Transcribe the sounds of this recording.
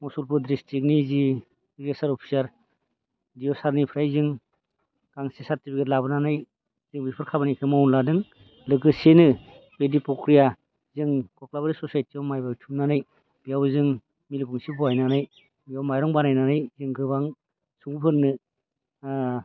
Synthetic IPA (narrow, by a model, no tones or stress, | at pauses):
mɔsulpʰudɾistʰik̬̚nizi | iɾesaɾɔpʰi̥saɾ | dijɔsaɾnipʰɾajzɯŋ | kaŋsesaɾtipʰikʰetlabɯnanaj | zɯŋbipʰɯɾkʰabanajkʰɯmawnladɯŋ | lɯkɯsenɯ | pedipɔkɾija | zɯŋkɔklaβaɾisɔsajtiɔmajbawtʰupnanaj | bijawzɯŋ | milɡuŋsibɔajnanaj | bijawmajɾɔŋbanajnanɯjzɯŋɡɯbaŋ | suŋpʰɯɾnɯ